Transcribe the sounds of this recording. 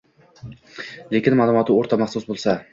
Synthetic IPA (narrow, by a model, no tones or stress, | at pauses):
le̞kʲɪnmalˠʊmɒt̪ʰɪoɾt̪ʰamaχsʊsbolˠsa